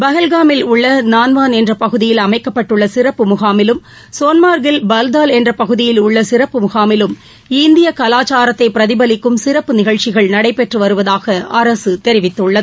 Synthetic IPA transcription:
bɐɣɐlɣaːmɪlʊɭːɐnaːnʋaːnɛndrɐpɐɣɯðɪjɪlɐmɐɪkːɐpːɐʈːɯɭːɐsɪrɐpːɯmʊɣaːmɪlɯm | soːnmaːɾɡɪlbɐld̪aːlɛndrɐpɐɣɯðɪjɪlʊɭːɐsɪrɐpːɯmʊɣaːmɪlɯm | ɪnd̪ɪjɐkɐlaːt͡ʃaːɾɐt̪ːɐɪpːɪɾɐðɪbɐlɪkːɯmsɪrɐpːɯnɪɣɐɭt͡ʃɪɣɐɭnɐɽɐɪpːɛʈrɯʋɐɾɯʋɐðaːɣɐɐɾɐsɯt̪ɛɾɪʋɪt̪ːɯɭːɐðɯ

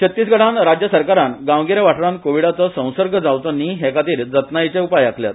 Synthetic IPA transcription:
t͡ɕʰət̪ːiːs̬ɡʱəɽãnɾad͡ʑjəsəɾkaɾãnɡãʋɡiɾaʋaʈɾãnkoʋiɽat͡sɔsə̃w̃səɾɡʱəd͡zawt͡sɔniːɦekat̪iːɾd͡zət̪najt͡seupajakʰlja̰t̪

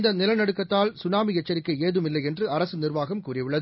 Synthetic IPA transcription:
nd̪ɐnɪlɐnɐɽɯkːɐt̪ːaːlsʊnaːmɪjɛt͡ʃːɐɾɪkːɐeːðɯmɪlːɐɪɛndrɯɐɾɐsɯnɪrʋaːɣɐmkuːrɪʋɪɭːɐðɯ

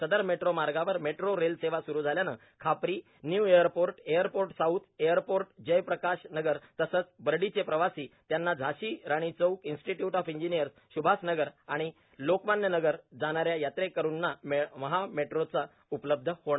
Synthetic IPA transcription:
səd̪əɾmeʈɾomaɾɡaʋəɾmeʈɾoɾelseʋasuɾuːd͡zʱaljanə̰ | kʰapɾiː | njuːejəɾpoɾʈejəɾpoɾʈsaut̪ʰejəɾpoɾʈd͡ʑəjpɾəkaɕnəɡəɾt̪əsət͡sbəɾɖit͡sepɾəʋasiːt̪janːad͡zʱaɕiːɾaɽ̃it͡səukinsʈiʈjuʈɔfiɲd͡ʑinijəɾs | ɕubʱasnəɡəɾaɽ̃i | lokmanjənəɡəɾd͡zaɽ̃aɾjajat̪ɾekːəɾuːnːamməɦameʈɾot͡sa | upləb̚d̪ʱəhoɽa

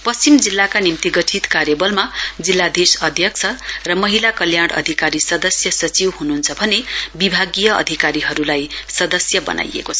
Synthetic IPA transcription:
pʌst͡simd͡zilːakanimt̪iɡʌʈʰit̪kaɾjʌbʌlmad͡zilːad̪esʌd̪ʱjʌk̚t͡sʰʌrʌmʌɦilakʌljaɽʌ̰d̪ʱikaɾisʌd̪ʌsjʌsʌt͡siwhununt͡sʰʌbʱʌnebibʱaɡijʌʌ̰d̪ʱikaɾiɦʌɾulajsʌd̪ʌsjʌbʌ̰nʔa̰jḛkot͡sʰ

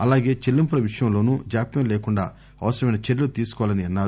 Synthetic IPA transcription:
ɐlaːɡe̞ːt͡ʃelːimpulɐʋiʂɐjɐmlo̞ːnuːd͡ʒaːpjɐmleːkuɳɖa̰ː | ɐ̰ʋɐsɐɾɐmɐjnɐt͡ʃeɽlut̪iːsu̥kɔʋalɐniɐnːaːɾu

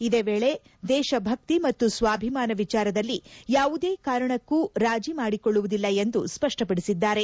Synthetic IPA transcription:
id̪eːʋeːɭe̞ | d̪ɛːʃɐbʱɐk̚t̪imɐt̪ːusʋaːbʱimaːnɐʋit͡ʃaːɾɐd̪ɐlːijaːʋud̪eːkaːɾɐɳɐkːuɾaːd͡ʒimaːɽikoɭːuʋud̪ilːɐend̪uspɐʂʈɐpɐɽisid̪ːaːɾe̞

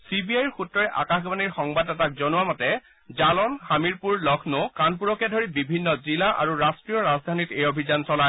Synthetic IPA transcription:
sibiajɹxutːɹɔɹɛʔa̰kaxbaniɹxɔŋbadɛtak̚zɔnʊwamɔtɛ | zalɔnxamiɹpuɹlɔkʰnʊkanpuɹɔkɛdʱoɹibibʱinːɔzilaʔa̰ɹuɹastɹijɔɹazd̪ʱanitejobʱizansɔlaj

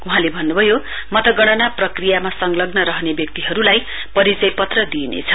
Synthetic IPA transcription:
uɦãlebʱʌnːubʱʌjo | mʌt̪ʌɡʌɽ̃ʌnaprʌkrijamasʌŋɡlʌɡnʌɾʌɦnebjʌk̚t̪iɦʌɾulaj | pʌɾit͡sʌjpʌt̪rʌd̪inḛt͡sʰʌ̥

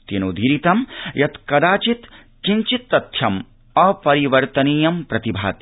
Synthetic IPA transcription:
t̪inud̪ʱiɾit̪ɐmjɐt̪kɐd̪aːt͡ʃit̪ | t͡ʃiɲt͡ʃit̪ːɐt̪ʰjɐm | ɐpɐɾiʋɐɾt̪ɐniːjɐmpɾɐt̪ibʱa̰ːt̪

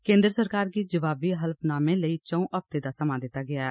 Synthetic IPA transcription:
kẽːnd̪ɾəsəɾkaːɾɡiːd͡ʒəʋaːbiːɦəlpʰnaːmẽːləiːt͡ʃə̃ũːʔəpt̪eːd̪aːsəmãːd̪ɪt̪ːaːɡɪaːɛː

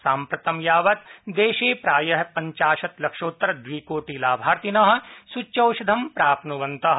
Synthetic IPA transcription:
saːmpɾɐt̪ɐmjaːʋɐt̪d̪eːʃeːpɾaːjɐɦpɐɲt͡ʃaːʃɐt̪lɐkʃoːt̪ːɾɐd̪ʋiːkoːʈilaːbʱaːɾt̪inɐɦɐ̆sut͡ʃɐwʃɐd̪ʱɐmpɾaːpnuʋɐnt̪ɐɦ

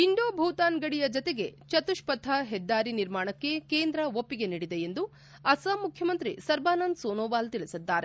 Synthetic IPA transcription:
iɳɖoːbʱuːt̪aːnɡɐɽijɐd͡ʒɔt̪eɡe̞t͡ʃɐt̪uʃpɐt̪ʰːɐɦɛd̪ːaːɾiniɾmaːɳɐkːe̞keːnd̪ɾɐʋopːiɡe̞niːɽid̪e̞end̪u | ɐsaːmukʰjɐmɐnt̪ɾisɐɾbaːnɐnd̪soːnoːbaːlt̪iɭisid̪ːaːɾe̞

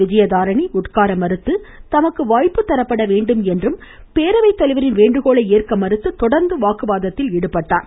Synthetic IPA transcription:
ɪd͡ʒɐjɐðaːɾɐɳiʊʈkaːɾɐmɐɾɯt̪ːɯt̪ɐmɐkːɯʋaːjpːɯt̪ːɐɾɐpːɐɽɐʋeːɳɖɯmɛndrɯm | peːɾɐʋɐɪt̪ːɐlɪʋɐɾɪnʋeːɳɖɯɣoːɭɐɪeːrkɐmɐɾɯt̪ːɯt̪ɔɽɐɾnd̪ɯʋaːkɯʋaːðɐt̪ːɪlɛɽɯpːɐʈːa̰ːɾ

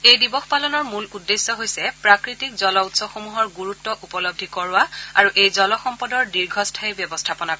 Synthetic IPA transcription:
ejdibɔxpalɔnɔɹmuludːesːɔɦojsɛpɹakɹitikzɔlɔutsɔxomuɦɔɹɡuɹutːɔʔupɔlob̚dʱikɔɹwaaɹuʔejzɔlɔxɔmpɔdɔɹdiɹɡʱɔstʰaɛbjɔbɔstʰapɔnakɔ

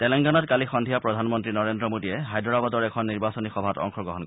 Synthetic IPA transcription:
tɛlɛŋɡanɔtkalixɔndʱijapɹɔdʱanmɔntɹinɔɹendɹɔmodiɛɦajdɔɹabɔtɔɹɛkʰɔnːiɹbasɔnixɔbʱatɔ̰ŋxʰɔɡɔɦɔnk

